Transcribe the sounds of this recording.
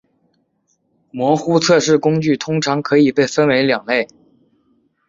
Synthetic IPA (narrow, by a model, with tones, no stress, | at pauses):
mwɔ˧˥xu˥t͡sʰɤ˥˧ʂɻ̩˥˩kʊ˥ŋt͡ɕy˥˩t̪ʰʊ˥ŋʈ͡ʂʰɑ˧˥ŋkʰɤ˧˥i˨˩pe˥˩ɪfə˥nwe˧˥ɪljɑ˨˩ŋle˥˩ɪ